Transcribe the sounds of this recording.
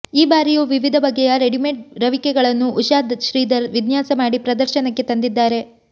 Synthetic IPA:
iːbaːɾijuːʋiʋid̪ʱɐbɐɡːɛjɐɾe̞ɽimeʈɾɐʋikɛɡɐɭɐnːuʔːʃaːd̪ʃɾiːd̪ɐɾʋid̪njaːsɐmaːɽipɾɐd̪ɐɾʃɐnɐkːe̞t̪ɐnd̪id̪ːaːɾe̞

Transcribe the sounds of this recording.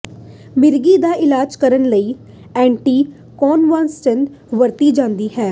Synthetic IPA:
mɪɾɡiːd̪aːʔɪlaːd͡ʒkəɾənləiː | ɛ̃ːɳʈiː | kɔːnʋãːnst͡ʃə̃nd̪ | ʋəɾt̪iːd͡ʒãːnd̪iːɦɛː

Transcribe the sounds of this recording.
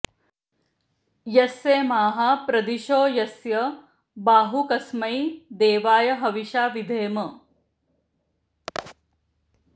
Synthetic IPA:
jɐseːmaːɦapɾɐd̪iʃoːjɐsjɐ | baːɦukɐsmɐjd̪eːʋaːjɐɦɐʋiʃaːʋid̪ʱeːmɐ

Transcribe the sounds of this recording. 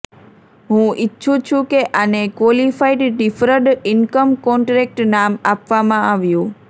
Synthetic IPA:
ɦũʔɪtːt͡ʃʰũt͡ʃʰũkeʔanekʋolifaiɖɖifɾəɖɪnkəmkɔɳʈɾek̚ʈnamapʋamãaʋjũ

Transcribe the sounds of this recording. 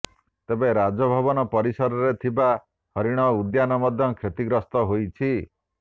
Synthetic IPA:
t̪ebeɾad͡ʒɔbʱɔbɔnɔpɔɾisɔɾɔɾet̪ʰiba | hɔɾiɽ̃ɔud̪janɔmɔd̪ʱjɔkʰɾet̪iɡɾɔst̪ɔɦojt͡ʃʰi

